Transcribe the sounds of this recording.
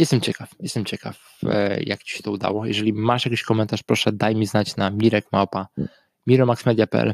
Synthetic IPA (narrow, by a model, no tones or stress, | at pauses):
jɛst̪ɛmt͡ɕɛkafjɛst̪ɛmt͡ɕɛka̰f | ja̰kt͡ɕi̥ɕɛ̥t̪ɔud̪a̰wɔjɛ̰ʐɛlʲimaʂjakʲiɕkɔmɛnt̪aʂpɾɔʂɛd̪ajmʲiznat͡ɕnamʲiɾɛkmawpa | mʲiɾɔmaksmɛd̪japɛ̰ʔɛ̰l